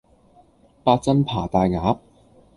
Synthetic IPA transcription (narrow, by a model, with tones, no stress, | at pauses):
paː˧t̚t͡sɐ˥npʰaː˨˩t̪aː˨˧jŋaː˨˥p̚